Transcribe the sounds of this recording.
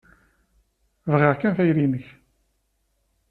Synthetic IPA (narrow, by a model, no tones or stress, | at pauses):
vʁɪʁkːænfæjɾinəç